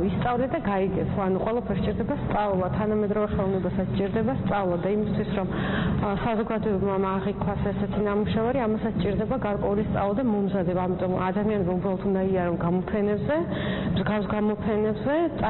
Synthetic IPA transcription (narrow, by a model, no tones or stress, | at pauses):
ist̪sʼavlɛd̪aɡaiɡɛsʰaanuqʼwɛlˠapʰɛɾst͡ʃʼiɾd̪ɛbast̪sʼavlˠat̪ʰanamɛd̪ɾɔvɛχɛlˠɔvnɛbasat̪sʰt͡ʃʼiɾd̪ɛbast̪sʼavlˠad̪aimist̪ʰwisɾɔmsazɔɡad̪ɔɛbmaaʁikʼʰwasɛsɛt̪ʰinamuʃavaɾiamasat̪sʰt͡ʃʼiɾd̪ɛbaɡaɾkʼwɛulist̪sʼavlˠad̪amɔmzad̪ɛbaːmit̪ʼɔmad̪amianɛbaubɾalɔt̪ʰund̪aiaɾɔnɡamɔpʰɛnɛbzɛmzɡafsɡamɔpʰɛnɛbzɛt̪ʼ